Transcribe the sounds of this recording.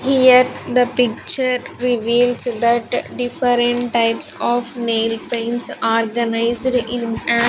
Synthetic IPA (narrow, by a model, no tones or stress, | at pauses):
hijəɾd̪əpɪk̚t͡ʃəɾɾɪʋiːlsd̪æʈɖɪfəɾɛ̃ɳʈʈaɪpsɔːʋneːlpẽɪɳʈsɔːɾɡənaɪzɖɪ̃næ